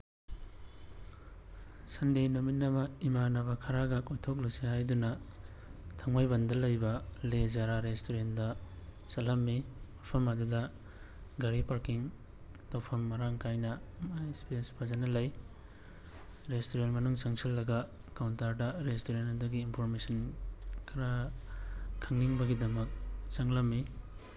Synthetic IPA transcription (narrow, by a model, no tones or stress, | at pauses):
sɐndejnominːɐmɐimanɐbɐkʰɐɾaɡɐkojtʰok̚lusihajdunɐ | tʰɐŋmajbɐndɐlɐjbɐlezaɾaɾestoɾendɐ | sɐlɐmːiwapʰɐmɐdudɐ | ɡɐɾipaɾkiŋ | tawpʰɐmːɐɾaŋkʰajnɐmajspispʰazanɐlɐj | ɾestoɾentmɐnuŋsɐŋsʰilːɐɡɐ | kawntaɾdɐɾestoɾentɐduɡiːnpʰoɾmesɐnkʰɐɾa | kʰːɐŋniŋbɐɡidɐmɐk̚t͡ʃɐŋlɐmːi